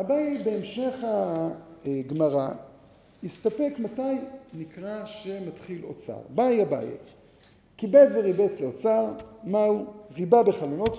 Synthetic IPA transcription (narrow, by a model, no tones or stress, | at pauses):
abajebeemʃe̞χa | ɡmaʁa | ist̪ape̞kmatajnikʁaʃematχilo̰t͡sa̰ʁbajaba̰jḛ | kibet͡sveʁibet͡sleot͡saʁmauʁibabeχalono̞t